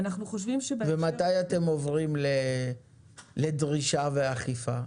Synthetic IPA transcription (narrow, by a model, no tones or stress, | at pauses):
anaχnuχoʃvimʃebvemat̪ajat̪e̞mo̞vʁimle | le̞d̪ʁiʃaveaχifa